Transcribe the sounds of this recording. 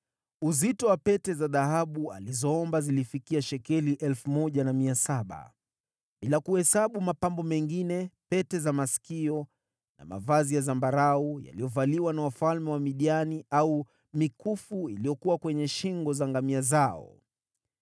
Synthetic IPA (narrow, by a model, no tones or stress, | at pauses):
uzitɔwapɛtɛzaðahaɓua̰lizɔɔmbazilifikiaʃɛkɛliʔɛlfumɔʄanamiasaɓa̰ | ɓilakuhɛsaɓumapambɔmɛŋɡinɛpɛtɛzamasi̥kiɔ | na̰ma̰vazijazambaɾauja̰lijɔvaliwanawafalmɛwamiɗianiau | mikufuilijɔkuwakwɛɲɛʃiŋɡɔzaŋɡamiazaɔ̰